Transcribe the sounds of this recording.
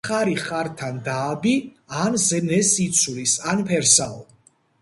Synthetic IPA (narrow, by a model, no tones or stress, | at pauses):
χaɾiχaɾt̪ʰand̪aːbi | anzɛnɛsit̪sʰlisanpʰɛɾsaɔ̰